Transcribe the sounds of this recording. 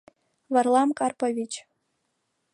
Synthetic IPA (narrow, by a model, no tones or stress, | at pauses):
vɑrlˠɑmkɑrpovʲit͡ɕ